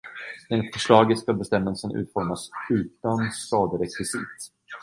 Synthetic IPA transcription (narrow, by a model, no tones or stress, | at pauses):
d̪̥ɛnfœʂɭɑːɡət̪skabɛst̪ɛmːəlsənʔʉ̟ːt̪fɔɾmasʉ̟ːt̪anskɑːd̪əɾɛkvɪsḭt̪